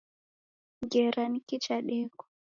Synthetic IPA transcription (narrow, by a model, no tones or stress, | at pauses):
ɡɛɾanikit͡ʃaɗɛɡɔ̥